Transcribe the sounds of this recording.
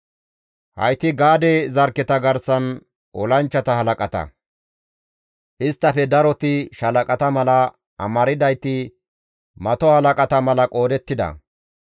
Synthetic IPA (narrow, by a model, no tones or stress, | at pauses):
hɐ̰jt̪ɪɡaːd̪ɛzɐɾkːɛt̪ɐɡɐɾsɐn | ʔɔlɐnt͡ʃːɐt̪ɐhɐlɐkʼɐt̪ɐ̰ | ʔɪst̪ːɐfɛd̪ɐɾɔt̪ɪʃɐlɐkʼɐt̪ɐmɐlɐ | ʔɐ̰mɐɾɪd̪ɐjt̪ɪ | mɐt̪ɔhɐlɐkʼɐt̪ɐmɐlɐkʼo̞ːd̪ɛt̪ːɪd̪ɐ̰